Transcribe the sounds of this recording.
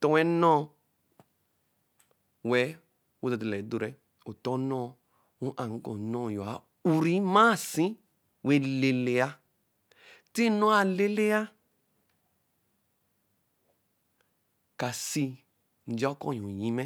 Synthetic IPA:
tɔ˦wɛ˦nɔ̃˦ | wɛ˨˦ | wo˦dɔ˨dlɛ˨˦do˨ɾɛ˦ | o˨tɔ̃˦nɔ̃˦ | u˦ʔa˨ŋ̩˦kɔ̰̃˨nɔ̃˦˨jo˨a˨˦ | u˨ɾi˦mã˦˨sĩ˦ | we˨le˨le˨a˦ | ti˦nɔ˦a˨le˦le˦a˦ | ka˨si˧ | n̩˨d͡ʒɔ˦kɔ̰̃˦˨ũ˨jĩ˦mɛ˦

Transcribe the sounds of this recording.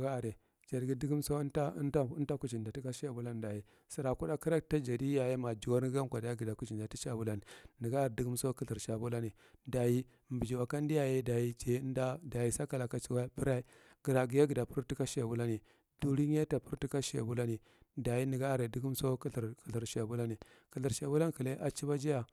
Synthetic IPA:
ɡa˦a˨ɾe˨ | d͡ʒa˨ɾɡi˦di˦ɡi˦mso˦a˦nta˦nta˦ku˨t͡ʃi˨nda˨ti˦ka˦ʃe˦˨bu˦la˦n˨da˨ji˨ | si˨ɾa˨ku˦da˦ki˦ɾa˦kta˦d͡ʒa˨di˦a˨je˦ma˨d͡ʒu˨wa˦ɾɡa˦ŋ˦kʷa˨da˨i˦ɡi˨da˨ku˨t͡ʃi˨nda˨ti˦ʃa˨bu˦la˦ni˨ni˨ɡa˦˨ɾdi˦ɡi˦mso˦ki˦ɬi˨ɾʃa˨bu˦la˦ni˨ | da˨ji˦˨ | mbi˨d͡ʒi˨wa˨ka˦n˦di˦ja˨je˦da˨ji˦d͡ʒe˨˦n˦da˦da˨ji˨sa˦ka˨la˨ka˨t͡ʃi˨wa˦bi˦ɾa˦i˦ | ɡ̥i˨ɾa˨ɡi˨ja˦ɡi˨da˨pu˦ɾti˦ka˦ʃa˨bu˦la˦ni˨ | du˨ɾi˦ɲ˦a˦ta˨pu˦ɾti˦ka˦ʃa̰˨bu˦la˦ni˨ | da˨ji˦ni˨ɡa˦˨ɾe˨di˦ɡu˦m˦so˦kɬɾki˨ɬi˨ɾʃa˨bu˦la˦ni˨ | kə˨ɬi˨ɾʃa˨bu˦la˦n˦ki˨le˦ʔa˦t͡ʃi˦ba˦d͡ʒi˦ja˨

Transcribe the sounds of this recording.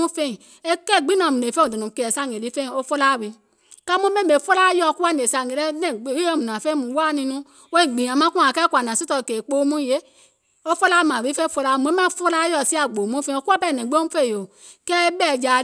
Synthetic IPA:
ũ˦fe˧˨ | e˦kɛ˦˨ɡ͡bi˦nã˧˨mũ˨ne˨fe˦õ˨da˨nũ˨ke˧˨ɛ˨sa˧˨ŋ˨e˨li˨˦fe˦˨o˦fo˦la˦˨wi˧˦ | ka˦mũ˦mẽ˦˨me˨˦fo˦la˦jɔ˧˨ku˦a˦n˨e˨sa˧˨ŋe˨ɾɛ˦nɛ̃˨ɡ͡be˨˦ɔ˦˨mũ˨nã˨fe˦mũ˨˧˨wa˦nĩ˧nũ˦ | wo˧˦i˨ɡ͡bĩ˨a˨mã˦ku˦a˨kɛ˦kʷa˨nã˨si˦tɔ˧˨ke˨k͡po˧˦˧mũ˦je˨˦ | o˦fo˦la˦mã˨wi˨˦fe˦fo˧la˧˦˨mu˧˨˦mã˦fo˦la˦jɔ˧˨si˦a˦˨ɡ͡bo˨mũ˦fe˧˦o˧˦ku˦a˦pɛ˦˨nɛ̃˨ɡ͡bm̩˦fe˦˨o˨ | kɛ˦bɛ˦˨d͡ʒa˧

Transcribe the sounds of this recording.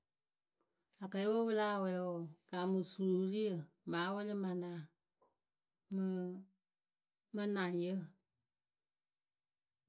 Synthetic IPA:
a˨kɜ˨e˦wo˦wɨ˦laː˦˨wɛ˨˦wɔ˨ɡ̥a˨mɨ̃˨su˨ɾu˨˦ɾi˦ə˨ | maː˨˦wə˦le˦mã˨nã˨ | mə˨ | mə̃˦nã˨ŋjə˦˨

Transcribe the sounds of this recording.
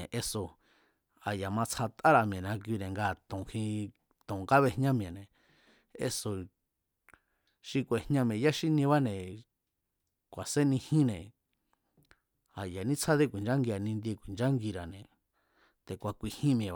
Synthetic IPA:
ʔe˧so˧ | a˨ja˨mã˧t͡sʰa˧t̪a˦ɾa˧˨mj̃ẽ˨nã˧k̬i˧nẽ˨ŋɡaː˧˨t̪õ˨hĩ˧ | t̪õ˨ŋɡa˦βe˧hɲã˦mj̃ẽ˨nẽ˨ | ḛ˧so˧ | ʃi˧kʷe˨hɲã˧m̃˧ẽ˨ja˦ʃi˦nĩ˧βa˦nẽ˨ | kʷa˨se˦nĩ˧hĩ˦nẽ˨ | a˨ja˨nĩ˦t͡sʰa˦ðe˦kʷi˨nd͡ʒa˦ŋɡi˧a˨nĩ˧nd̪i˧e˧kʷi˨nd͡ʒa˦ŋɡi˧ɾa˨nẽ˨ | t̪e˨kʷa˨kʷi˧hĩ˦mj̃ẽ˨

